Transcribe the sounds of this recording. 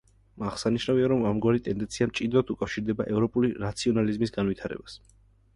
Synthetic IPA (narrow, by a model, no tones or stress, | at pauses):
maʁ̥saniʃnaviaɾɔmamɡwaɾit̪ʼɛnd̪ɛnt̪sʰiamt͡ʃʼid̪ɾat̪ʰukʼafʃiɾd̪ɛba̰ʔɛvɾɔpʼuliɾat̪sʰiɔnalizmisɡanwit̪ʰaɾɛ̰bas